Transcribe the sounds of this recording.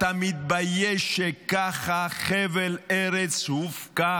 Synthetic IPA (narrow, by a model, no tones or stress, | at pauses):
t̪amit̪̚bajɛʃekaχaχeveleʁet͡shufka